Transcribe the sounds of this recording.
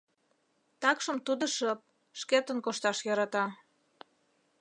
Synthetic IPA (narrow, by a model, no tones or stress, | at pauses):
t̪ɑkʃə̆mt̪ud̪ə̆ʃəp̚ | ʃket̪ə̆nkoʃt̪ɑʃjɑɾɑt̪ɑ